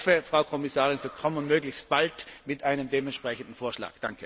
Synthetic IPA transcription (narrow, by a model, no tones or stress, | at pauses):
fəfʁ̥aʊkʰɔmɪsaːʁɪnz̥oːkʰɔmənmøːɡlɪçst̚b̥altmɪtʔaɪnəmdeːmɛntʃpʁ̥ɛçən̩dn̩foːɐʃla̰ːɡ̥d̥aŋkʰə